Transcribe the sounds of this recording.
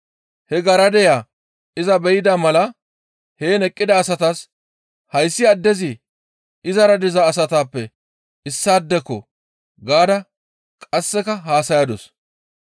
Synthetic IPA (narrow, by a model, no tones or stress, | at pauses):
hɛɡɐɾɐd̪ɛjaː | ɪzɐbɛjɪd̪amɐlɐ | heːnɛkʼːɪd̪ɐːsɐt̪as | hɐjsːɪɐd̪ːɛzɪ | ɪzɐɾɐd̪ɪzɐːsɐt̪aːpːɛ | ɪsːaːd̪ːɛkːɔ̰ | ɡaːd̪ɐ | kʼɐsːɛkɐɦaːsɐjɐd̪ɔs